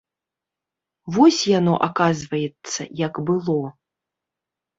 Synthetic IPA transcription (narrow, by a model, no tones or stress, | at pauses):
vɔsʲjanɔ̰ʔakazvɐjɛt̪sːɐ̰jɐɡbɨlˠɔ